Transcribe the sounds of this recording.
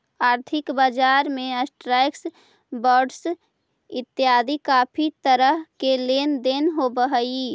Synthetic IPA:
aːɾt̪ʰɪkbaːd͡ʒaːɾmẽəsʈɾaːɪks | bɔːɖs | ɪt̪ːjaːd̪ikaːpʰit̪əɾəɦkelend̪enɦobəɦəi

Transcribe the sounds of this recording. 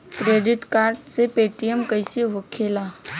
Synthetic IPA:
kɾeːɖɪʈkaːɾɖsepeʈijəmkəjseɦokʰela

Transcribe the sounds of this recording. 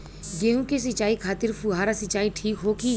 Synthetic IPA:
ɡeːũkes̬ɪt͡ʃaːikʰaːt̪ɪɾfuɦaːɾasɪt͡ʃaːiʈʰiːkɦoːki

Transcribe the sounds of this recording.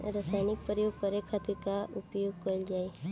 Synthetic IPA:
ɾasaːɪnɪk̚pɾəjoːɡ̚kəɾekʰat̪ikaʔʊpjoːɡkold͡ʒaːe

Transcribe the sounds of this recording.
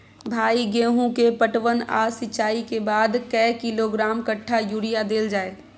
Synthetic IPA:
bʱaːiɡẽːɦũkepəʈʋəna̰sɪt͡ʃaːikebaːd̪kɛːkɪloɡɾaːmkəʈʰːajuːɾijad̪eːld͡ʒaːeː

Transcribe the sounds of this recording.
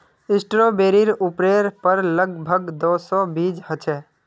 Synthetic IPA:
ɪsʈɾoːbeːɾiɾʊpɾeːɾpəɾləɡbʱəɡd̪oːsɔːbiːd͡ʒɦət͡ʃʰɛː

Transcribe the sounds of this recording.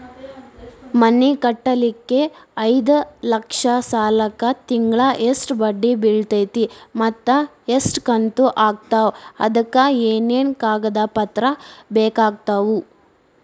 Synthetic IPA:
mɐnːikɐʈːɐlikːe̞ɐjd̪ɐlɐkʂɐsaːlɐkːɐt̪iŋɡɭɐʔesʈbɐɖːibiɭt̪ɐjt̪imɐt̪ːɐ | esʈkɐnt̪uʔaːɡ̚t̪aɐ̰d̪ɐkːɐeːneːnkaːɡɐd̪ɐpɐt̪ɾɐbɛːkaːɡ̚t̪ɐʋu

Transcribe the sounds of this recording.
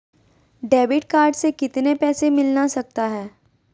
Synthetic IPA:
ɖɛːbɪʈkaːɾɖsekɪt̪nepɛːsemɪlnasɐk̚t̪aɦɛː

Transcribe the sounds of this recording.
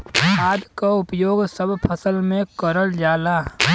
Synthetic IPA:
haːd̪kaʊpjoːɡsəbpʰəsəlmẽkəɾəld͡ʒaːlaː

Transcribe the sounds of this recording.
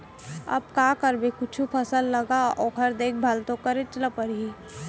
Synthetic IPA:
ɐ̰b̚kakəɾbekʊt͡ʃʰupʰɐsəlːɐɡaɔːkʰəɾd̪eːk̚ʰbʱalt̪õkəɾet͡ʃələpəɾii

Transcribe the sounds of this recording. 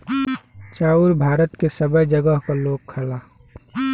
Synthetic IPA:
t͡ʃaːuɾbʱaːɾət̪kesəbəjd͡ʒəɡəɦkaloːɡ̚kʰɐlaː

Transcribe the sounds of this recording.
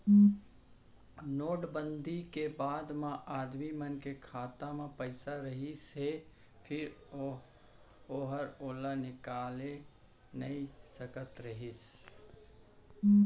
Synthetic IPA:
noːɖbə̃nd̪ʱikebaːd̪mãʔaːd̪mimənkekʰaːt̪amãpəɪsaɾəɦise | pʰɪɾ | oːɦəɾoːlanɪkaːle | nəisəkət̪ɾəɦɪs

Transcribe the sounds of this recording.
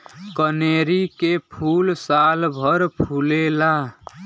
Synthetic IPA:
kəneɾikepʰulsalbʱʌɾpʰulela

